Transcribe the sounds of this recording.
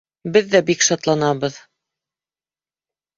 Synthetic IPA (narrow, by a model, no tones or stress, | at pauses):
bɘðːæbikʃɑt̪lˠɑnɑβɤð